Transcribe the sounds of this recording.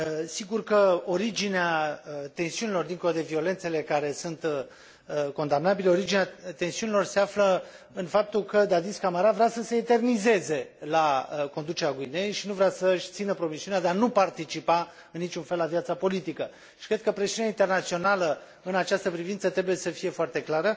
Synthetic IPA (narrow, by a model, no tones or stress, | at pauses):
siɡurkəo̞ɾid͡ʒineat̪e̞nsiunilo̞rd̪iŋko̞lod̪e̞vio̞le̞nt̪se̞le̞kaɾe̞sunt̪ | ko̞nd̪amnabile̞o̞ɾid͡ʒineat̪e̞nsiunilo̞rse̞aflə | ɨnfap̚t̪ulkəd̪ad̪iskamaɾavɾeasəse̞ːt̪e̞rnize̞ze̞lako̞nd̪ut͡ʃeɾeaɡuinejʃinuvɾeasəʃʲt̪sinəpɾo̞misiunead̪eanupart̪it͡ʃipa | ɨnːit͡ʃunfe̞lːavijat̪sapo̞lit̪ikə | ʃi̥kɾe̞d̪̚kəpɾesiuneaint̪e̞rnat̪sio̞nalə | ɨnat͡ʃast̪əpɾivintsət̪ɾe̞buje̞səfije̞foart̪e̞klaɾə